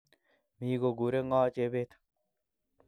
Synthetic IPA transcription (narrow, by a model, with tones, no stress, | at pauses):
mi˨ɡo˨ɡu˨ɾe˦ŋɔː˦t͡ʃe˦be˦t̪